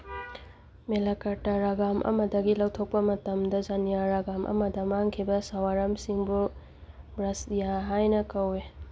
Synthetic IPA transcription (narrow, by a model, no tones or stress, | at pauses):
melakɐɾtaɾaɡamʔɐ̰mɐdɐɡilawtʰok̚pɐmɐtɐmdɐzanijaɾaɡamʔɐ̰mɐdɐmaŋkʰibɐsawaɾɐmsiŋbu | bɾasijaɦajnɐkɐwe